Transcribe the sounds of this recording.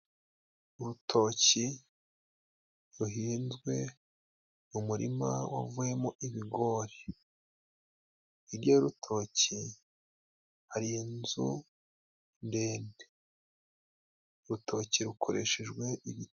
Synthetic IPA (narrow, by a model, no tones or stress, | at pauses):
uɾutʰo̞ːci | ɾuɦiːnzɡwe̞ | umuɾḭma̰wa̰vuje̞moʔiβiɡo̞ɾe | iɾjoɾutʰo̞ːci | haɾiinzṵ | nde̞ːnde | uɾutʰo̞ciɾukʰo̞ɾe̞ʃeʒɡwe̞ʔiβi